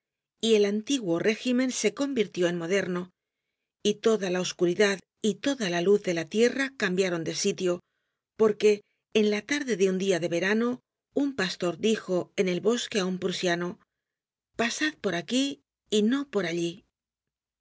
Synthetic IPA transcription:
ie̞lant̪iɣwo̞re̞ximẽ̞nse̞ko̞mbiɾt̪jo̞e̞nmo̞ðe̞ɾno̞ | it̪o̞ðalaoskuɾiðað | it̪o̞ðalaluθðe̞lat̪je̞rakambjaɾo̞nd̪e̞sit̪jo̞ | po̞ɾke̞ː | nlat̪aɾðe̞ðeund̪iaðe̞βe̞ɾano̞ | umpast̪o̞ɾðixo̞e̞nelβo̞ske̞aumpɾusjano | pasað̚po̞ɾakiː | no̞po̞ɾaʎi

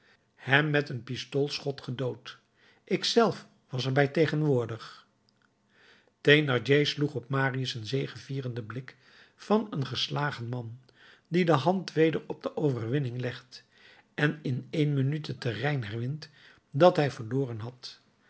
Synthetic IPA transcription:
hɛmːɛtənpistolˠsχɔtχədowt | ʔɪksɛlˠf | ʋɑs̬ɛɹbɛjtejχənʋʊːɹdəχ | tejnɑɹd͡ʒejsluχɔp̚maːriəsənzejχəviːrəndəblɪk | fɑnənχəslaːχənmɑn | didəɦɑntʋejdəɹɔb̚dəʔowvəɹʋɪnɪŋlɛχt | ɛnɪnejnmənytətərɛjnɦɛrʋɪnt | dɑtɦɛjvəɹlʊːrənɦɑt

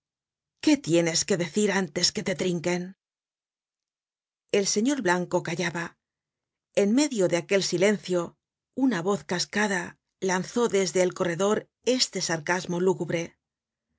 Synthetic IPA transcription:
ke̞t̪je̞ne̞ske̞ðe̞θiɾant̪e̞ske̞t̪e̞t̪ɾiŋke̞n | e̞lse̞ɲo̞ɾβlaŋko̞kaʝaβa | e̞nme̞ðjo̞ðeake̞lsile̞n̟θjo̞ | unaβo̞θkaskaða | lanθo̞ðe̞zðe̞ːlko̞re̞ðo̞ɾ | e̞st̪e̞saɾkazmo̞luɣuβɾe̞

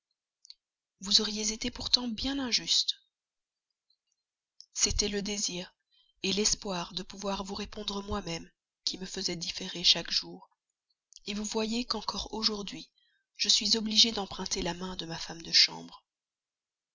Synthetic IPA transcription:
vuzɔʁijezet̪epuʁt̪ɑ̃bjɛ̃nɛ̃ʒyst̪ | set̪ɛləd̪eziːʁ | elɛspwaʁd̪əpuvwaʁvuʁepɔ̃d̪ʁəmwamɛm | kʲiməfəzɛd̪ifeʁeʃakʒ̥uːʁ | evuvwajekɑ̃kɔʁoʒuʁd̪ɥi | ʒ̥əsɥizɔbliʒed̪ɑ̃pχɛ̃t̪elamɛ̃d̪əmafamd̪əʃɑ̰̃bʁ

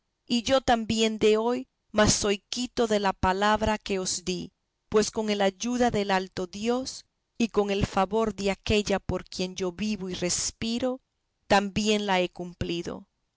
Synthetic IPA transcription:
iʝo̞t̪ambje̞nd̪e̞o̞j | masːo̞jkit̪o̞ðe̞lapalaβɾake̞osd̪i | pwe̞sko̞ŋe̞laʝuðaðelalt̪o̞ðjo̞s | iko̞ŋe̞lfaβo̞ɾðeake̞ʎapo̞ɾkje̞nd͡ʒo̞βiβoire̞spiɾo̞ | t̪ambje̞nlae̞kumpliðo̞̰

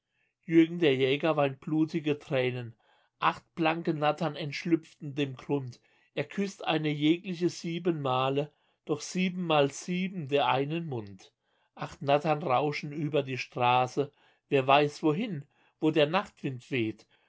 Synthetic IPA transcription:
jʏɐɡŋ̩deːɐjɛːɡɐvaɪntb̥luːtɪɡətʁ̥ɛːnən | ʔaχt̚b̥laŋkənatʰɐnɛntʃlʏpp͡ftn̩deːmɡʁʊnt | ʔeːɐkʰʏstʔa̰ɪnəjɛːklɪçəziːbənmaːlə | d̥ɔχz̥iːbm̩ːaːlz̥iːbm̩deːɐʔaɪnənmʊnt | ʔaχtnatɐnʁaʊʃn̩ʔyːbɐdiːʃtʁ̥aːsə | veːɐvaɪsv̥oːɦɪn | voːdeːɐnaχtv̥ɪntv̥eːt

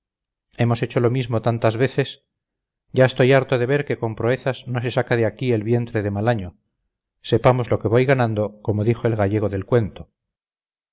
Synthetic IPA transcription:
e̞mo̞set͡ʃo̞lo̞mizmo̞t̪ant̪azβe̞θe̞s | ɟ͡ʝaest̪o̞jaɾt̪o̞ðe̞βe̞ɾkeko̞mpɾoe̞θazno̞s̬e̞sakaðeakie̞lβje̞nt̪ɾe̞ðemalaɲo | se̞pamo̞zlo̞ke̞βojɣanand̪oko̞mo̞ðixo̞elɣaʝe̞ɣ̞o̞ðe̞lkwe̞nt̪o

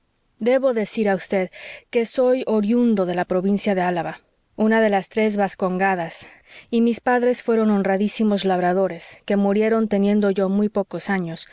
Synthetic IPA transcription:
d̪e̞βo̞ðe̞siɾaust̪e̞ðke̞so̞jo̞ɾjund̪o̞ðe̞lapɾo̞βinsjaðe̞alaβa | unaðe̞last̪ɾe̞zβasko̞ŋɡaðasimispaðɾe̞sfwe̞ɾo̞no̞nraðisimo̞zlaβɾaðo̞ɾe̞ske̞muɾje̞ɾo̞nt̪e̞nje̞nd̪o̞ʝo̞mujpo̞ko̞saɲo̞s

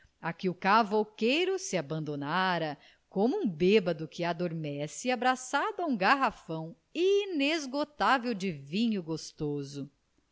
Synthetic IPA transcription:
akɪʊkavokejɾʊsɪabɐ̃nd̪onaɾɐ | kõmʊũbebɐd̪ʊkɪad̪oɾmɛsɪabɾasad̪ʊaũɡaɦafɐ̃w̃ | inezɡot̪avewd͡ʒɪvĩɲʊɡost̪ozʊ

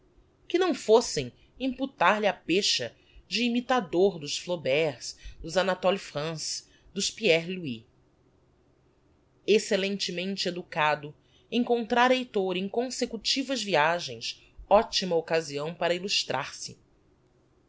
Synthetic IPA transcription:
kɪnɐ̃w̃fosẽj̃ | ĩput̪aɾlɪapeʃɐ | d͡ʒɪːmit̪ad̪oɾd̪ʊʃflobɛɾsd̪ʊzanat̪ɔlifɾɐ̃s | d̪ʊʃpiɛɾlui | eselẽnt͡ʃɪmẽnt͡ʃɪed̪ukad̪ʊ | ẽŋkõnt̪ɾaɾejt̪oɾẽj̃kõsekut͡ʃivɐzviaʒẽj̃s | ɔt͡ʃimɐokaziɐ̃w̃paɾɐiluʃt̪ɾʔa̰ɾsɪ

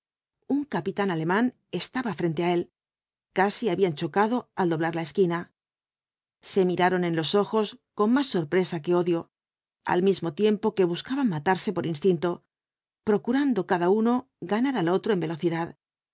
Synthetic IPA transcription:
uŋkapit̪anale̞mãn | e̞st̪aβafɾe̞nt̪e̞ae̞l | kasiaβiant͡ʃo̞kaðo̞ald̪o̞βlaɾlae̞skina | se̞miɾaɾo̞ne̞nlo̞so̞xo̞sko̞nmasːo̞ɾpɾe̞sake̞o̞ðjo̞ | a̰lmizmo̞t̪je̞mpo̞ke̞β̞uskaβaŋmat̪aɾse̞po̞ɾʔinst̪int̪o̞ | pɾo̞kuɾand̪o̞kaðauno̞ | ɡanaɾalo̞t̪ɾo̞e̞mbe̞lo̞θiðað

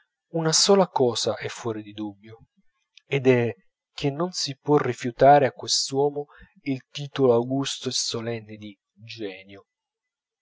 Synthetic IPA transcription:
unasɔːlakɔːsaʔɛfːwɔːɾid̪id̪ubːjo | ed̪ɛ | k̟ːenːonsipwɔrːifjut̪aːɾeakːwest̪wɔːmo | ilt̪iːt̪oloawɡust̪oesolɛnːɪd̪i | d͡ʒɛːnjo

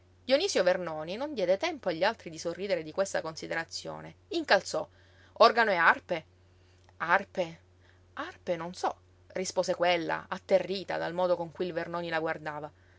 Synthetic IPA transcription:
d̪ioniːsjovernɔːninond̪jɛːd̪et̪ɛmpoaʎːialt̪ɾid̪isorːiːd̪eɾed̪ikwest̪akonsid̪eɾat̪sːjo̰ːneiŋkalt̪sɔ | ɔrɡanoearpe | arpe | arpenonsɔ | rispoːsekwelːa̰at̪ːerːiːt̪a̰d̪almɔːd̪okoŋkujilvernɔːnilaɡward̪aːva

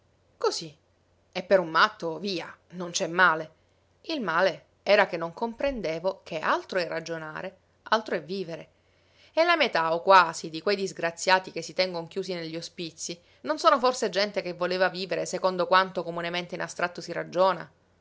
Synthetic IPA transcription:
kosi | epːeɾumːat̪ːoviːanont͡ʃɛmːaːle | ilmaːle | ɛːɾakenːoŋkompɾend̪eːvokʰeʔalt̪ɾoɛrːad͡ʒonaːɾe | alt̪ɾoɛvːiːveɾe | elːamet̪aokːwaːzid̪ikwejd̪izɡɾat̪sːjaːt̪ik̟esːit̪ɛŋɡoŋk̟juːsineʎːiospit̪sːi | nonsoːnoforsed͡ʒɛnt̪ekevːoleːvaviːveɾesekond̪okwant̪okomunement̪einast̪ɾat̪ːosiɾad͡ʒoːna̰

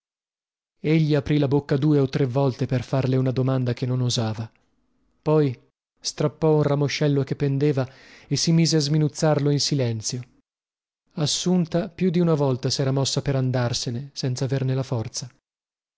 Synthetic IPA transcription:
eʎːiapɾilabokːad̪uːeot̪ːɾevːɔlt̪eperfarleunad̪omand̪akenːonuzaːva | pɔj | st̪ɾapːɔunramoʃːɛlːokepːend̪eːva | esimiːzeazminut̪sːarloinsilɛnt̪sjo | asːunt̪apjud̪iunavɔlt̪asɛːɾamɔsːapeɾand̪arsenesɛnt̪savernelafɔrt̪sa

